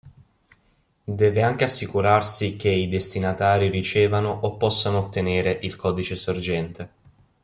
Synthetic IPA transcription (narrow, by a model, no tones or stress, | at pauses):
d̪ɛːveaŋk̟easːikuɾarsik̟eid̪est̪inat̪aːɾiɾit͡ʃeːvanoʔopːɔsːanoːt̪ːeneːɾeʔilkɔːd̪it͡ʃesord͡ʒɛnt̪e